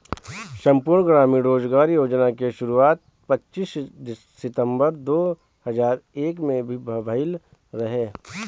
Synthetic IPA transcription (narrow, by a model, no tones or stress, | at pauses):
ʃɐ̃mpuːɾɳɡɾaːmiɾoːd͡ʒɡaːɾijoːd͡ʒnakeʃʊɾuaːt̪̚ | pɐtːʃisd̪ː | ɪt̪ə̃mbəɾd̪oː | həzaːɾeːkmẽbʱibʱɐbʱəɪlɾɐɦeː